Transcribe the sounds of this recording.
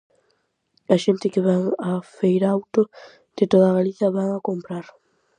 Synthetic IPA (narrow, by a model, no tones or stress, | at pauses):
aʃent̪ɪkeβaŋafejɾawt̪o | d̪̥ɪt̪oðaɣaliθjaβaŋakompɾaɾ